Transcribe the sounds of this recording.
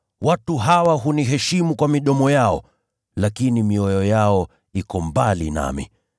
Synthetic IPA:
watuɦawaɦuniɦɛʃimukwamiɗɔmɔjaɔ | lakinimiɔjɔjaɔ | ikɔmbalḭna̰mḭ

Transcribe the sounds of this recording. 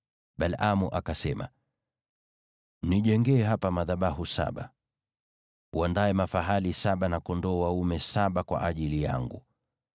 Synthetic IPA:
ɓalʔamuʔakasɛma̰ | niʄɛŋɡɛːɦapamaðaɓaɦusa̰ɓa | uandaɛmafaɦalisaɓanakɔndɔːwaumɛsaɓakwa̰ʔaʄilija̰ŋɡṵ

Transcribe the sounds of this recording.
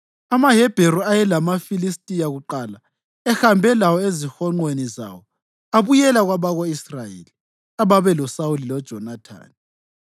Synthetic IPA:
amaɦɛb̥ʱeɾɔajɛlamafilistʼijaɣuǃala | ɛxambʱɛlawɔezixɔŋ͡ǃweniza̰wɔ | aβujɛlaɣwaβaɣoisrajḛli | aβaβɛlɔsaulilɔd̥ʒ̥ʱɔnatʰa̰ːni

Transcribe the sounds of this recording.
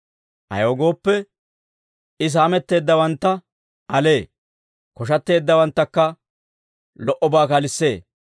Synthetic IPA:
ʔɐ̰joːɡo̞ːpːɛ | ɪs̬aːmɛt̪ːe̞ːd̪ːɐwɐnt̪ːɐ | ɐle̞ː | kɔʃ̬ɐt̪ːe̞ːd̪ːɐwɐnt̪ːɐkːɐ | lɔʔɔbaːkɐlɪsːe̞ː

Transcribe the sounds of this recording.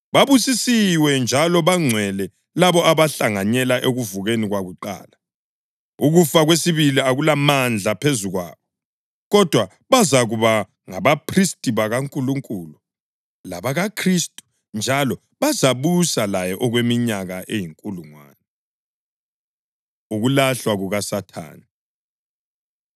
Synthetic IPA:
βaβusisiwɛnd͡ʒʱalɔβaŋ͡ǀʱwɛlɛ | laβɔʔaβaɬaŋaɲɛlaʔeɣuvuɣeniɣwaɣuǃa̰ːla | uɣufaɣwesiβiliaɣulamand͡ɮʱapʰezuɣwa̰ːβɔ | ɣɔd̥ʱwa | βazaɣuβa | ŋaβapʰristʼiβaɣaŋkʼuluŋkʼulu | laβaɣakʰristʼu̥ | nd͡ʒʱalɔ | βazaβusalajɛʔɔɣwemiɲaɣaʔejiŋkʼuluŋwa̰ːnɛ | uɣulaɬwaɣuɣasatʰa̰ːni

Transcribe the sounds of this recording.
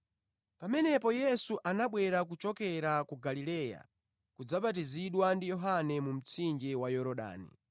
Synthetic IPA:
pamɛnɛpɔjɛsuʔanaɓwɛɾak̬ut͡ʃɔkɛɾakuɡalilɛja̰ | kud͡zaɓatiziɗwandijɔɦanɛmum̩t͡sʰind͡ʒɛwajɔɾɔɗa̰ːnḭ

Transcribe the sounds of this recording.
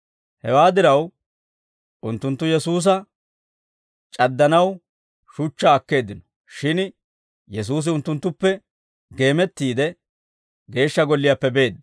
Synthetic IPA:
hɛwaːd̪ɪɾɐw | ʔʊnt̪ːʊnt̪ːʊjɛsuːs̬ɐ | t͡ʃʼɐd̪ːɐnɐw | ʃʊt͡ʃːaːkːe̞ːd̪ɪnɔ̥ | ʃɪn | jɛs̬uːs̬ɪʊnt̪ːʊnt̪ːʊpːɛ | ɡe̞ːmɛt̪ːiːd̪ɛ | ɡe̞ːʃːɐɡɔlːɪjapːɛbe̞ːd̪

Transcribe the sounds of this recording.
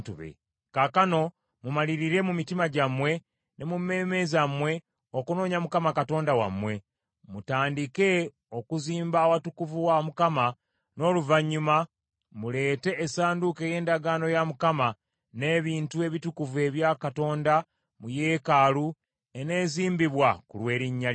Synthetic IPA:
tuβḛ | kakano̞ | mumaliɾiɾe̞mumitimaɟamwe̞ | nʔe̞mumːe̞ːme̞zamwe̞ | okuno̞ːɲamukamakato̞ːndawa̰mwe̞ | mutaːndike̞ | o̞kuziːmbawatukuvuwamukama | no̞ːluvaɲːuma | mule̞ːte̞ʔːsaːnduke̞je̞ːndaɡaːno̞jamukama | ne̞ːβiːntue̞βitukuvue̞βjakato̞ːnda | muje̞ːkalu | e̞ne̞ːziːmbiβwakulwe̞ːɾiɲːa

